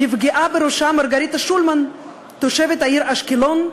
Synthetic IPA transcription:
hifɡiʔabeɾoʃamaɾɡaɾit̪aʃulman | t̪oʃevet̪haiɾaʃkilon

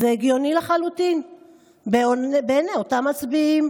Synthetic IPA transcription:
zeeɡjo̞nileχalutin | beobeneotamːat͡sbiim

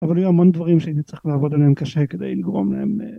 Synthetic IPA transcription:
avalajuamond̪vaʁimʃeanit͡sʁiχlaːvo̞d̪aleemkaʃeked̪ejliɡʁo̞̰mla̰em

